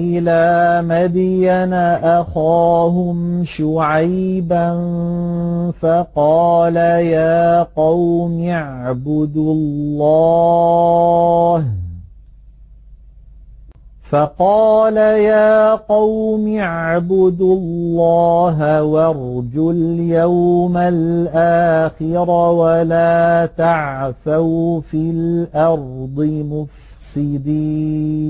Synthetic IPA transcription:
ʔɪlaːmad̪janaʔaxaːhʊmʃʊʕajban | fɑqɑːlajaːqɑwmɪʕbʊd̪ʊlːɑː | h | fɑqɑːlajaːqɑwmɪʕbʊd̪ʊllːɑːɦawɑrd͡ʒʊljawmalʔaːxɪɾawalaːt̪aʕʕfawfiːlʔɑɾˤd̪ˤɨmʊf | sɪd̪iː

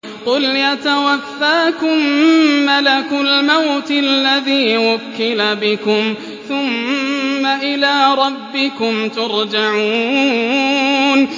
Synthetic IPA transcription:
qʊljat̪awafːaːkʊmːalakʊlmawt̪ɪlːaðiːwʊkːɪlabɪkʊm | θʊmː | aʔɪlaːɾˤɑbːɪkʊmt̪ʊɾˤd͡ʒaʕuː | n

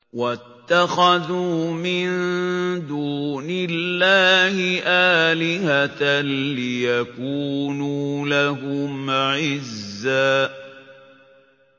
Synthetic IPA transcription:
wat̪ːaxaðuːmɪnd̪uːnɪlːaːhɪʔaːlɪhat̪lɪjakuːnulaɦʊmʕɪzːaː

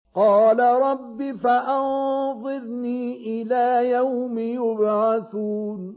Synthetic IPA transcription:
qɑːlaɾˤɑbːifaʔɑnðˤɨɾniːʔɪlaːjawmjʊbʕaθuːn

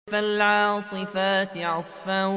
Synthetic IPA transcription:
falʕɑːsˤɨfaːt̪ɪʕɑsˤfa

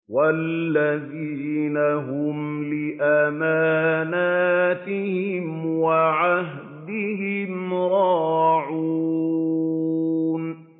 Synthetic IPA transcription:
walːaðiːnaɦʊmlɪʔamaːnaːt̪ɪhɪmwaʕaɦ | d̪ɪɦɪmɾˤɑːʕu | n

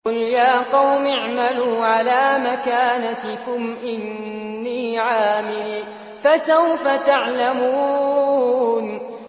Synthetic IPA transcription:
ʊljaːqɑwmɪʕmaluːʕalaːmakaːnat̪ɪkʊmʔɪnːiːʕaːmɪl | fasawfat̪aʕlamuː | n

